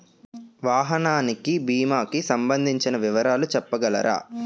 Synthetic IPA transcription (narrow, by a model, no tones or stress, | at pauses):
ʋaːɦɐnaːnikibiːmaːkisɐmbɐnd̪ʱiɲt͡ʃinɐʋiʋɐɾaːlut͡ʃɛpːɐɡɐlɐ̰ɾa̰ː